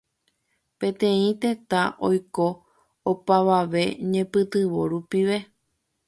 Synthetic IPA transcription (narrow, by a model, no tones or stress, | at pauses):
pẽ̞t̪ẽ̞ĩt̪e̞t̪aʔojko̞ | opaʋaʋe̞ɲẽ̞pɨt̪ɨʋoɾupiʋe̞